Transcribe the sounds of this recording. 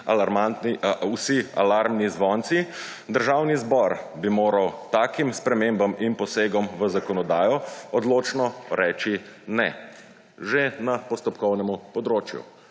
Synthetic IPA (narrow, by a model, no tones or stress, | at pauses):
alaɾmausia̰laɾmnizʋɔnt̪si | d̪əɾʒawnizbɔɾbimoːɾawt̪aːkimspɾɛmembaminpɔseːɡɔmʋəzakɔnɔd̪aːjɔɔd̪loːt͡ʃnɔɾɛːt͡ʃinɛ | ʒenapɔst̪ɔpkɔwnɛmupɔd̪ɾoːt͡ʃjṵ